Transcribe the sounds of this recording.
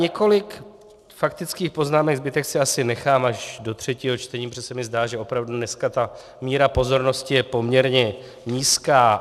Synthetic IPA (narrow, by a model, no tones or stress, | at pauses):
ɲɛko̞lɪk | fak̚t̪ɪt͡skiːxpo̞znaːmɛɡzbɪt̪ɛksɛasɪnɛxaːmaʒdo̞t̪r̝̥ɛciːɦo̞t͡ʃt̪ɛɲiːbr̥ɛsɛmɪzdaːʒɛopɾavdunɛskat̪a | miːɾapo̞zo̞ɾno̞scɪjɛpo̞mɲɛɾɲɛ | ɲiːskaː